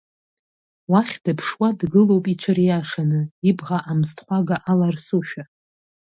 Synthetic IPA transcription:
waχʲd̥ɨpʰʂwadɡɨlo̞wpʼit͡ʃʷʰɨrijaʂanɨibʁaʔamztʰʼχʷaɡaʔalarsuʃᶣa

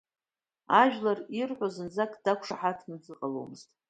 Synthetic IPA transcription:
aʒᶣlarirħʷazɨnd͡zakʼd̥akʷʰʂaħatʰnɨd͡zɨqʼalo̰wmɨztʼ

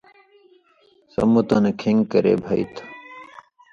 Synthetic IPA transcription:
sɐ̰mut̪ənkʰiŋɡkəɾḛːbʱɐit̪ʰ

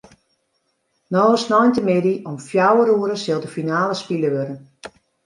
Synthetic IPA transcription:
nɔːəsnɔjntəmɪdiʔɔmfjawəɾuəɾəsɪlˠdəfinaːləspiləʋøɾən

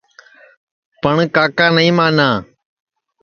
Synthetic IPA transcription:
pəɳkaːkaːnəĩːmãːnãː

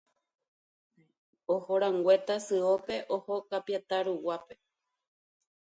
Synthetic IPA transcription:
ohoɾãŋɡwe̞t̪asɨope̞ʔohokapjat̪aɾuwape̞

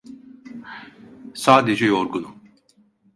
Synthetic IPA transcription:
saːd̪ed͡ʒɛjoɾɡunu

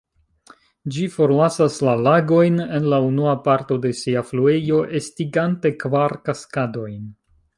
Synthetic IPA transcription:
d͡ʒifo̞ɾlasaslalaɡo̞jne̞nlaunuapaɾto̞de̞siaflue̞jo̞ʔestiɡante̞kvaɾkaskado̞jn

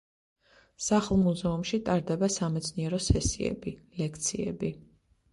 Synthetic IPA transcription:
saχlˠmuzɛumʃit̪ʼaɾd̪ɛbasamɛt̪sʰniɛɾɔsɛsiɛ̰bilɛkʰt̪sʰiɛ̰bi

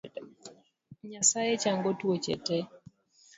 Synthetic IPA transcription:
ɲasajet͡ʃaŋɡotwot͡ʃɛ̰tɛ

